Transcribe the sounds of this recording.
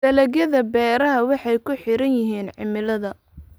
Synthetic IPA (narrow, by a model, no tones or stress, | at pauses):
dɐlɐɣjɐðɐbɛːɾɐɦɐwɑħɑjkʰʊħɪɾɐnjɪɦiːnʕɪmɪlɐðɐ